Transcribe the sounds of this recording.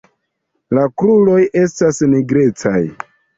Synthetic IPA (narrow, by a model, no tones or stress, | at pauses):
lakɾulo̞jʔe̞stasniɡɾe̞t͡sa̰j